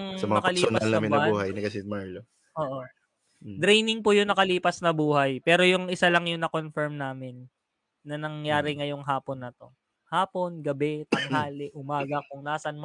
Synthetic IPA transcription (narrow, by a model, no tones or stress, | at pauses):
ŋsɐmɐŋakɐlːonɐlnaːɐmɪnːɐbuːɦɐjnɐkɐsɪmaɹlo | ʔoːʔo | d̪ɾɛjnɪŋpʊjʊnɐkɐliːpɐsnɐbuːhɐjpɛːɾo̞jʊŋʔɪsalɐŋjʊŋnɐko̞nfɛɹmnaːmɪnː | ɐnɐŋjaːɾɪŋɐjʊŋɦaːponːɐt̪o̞ | haːpo̞nɡɐbɛt̪ɐŋɦaːlɪʔʊmaːɡɐkʊŋnaːsɐnm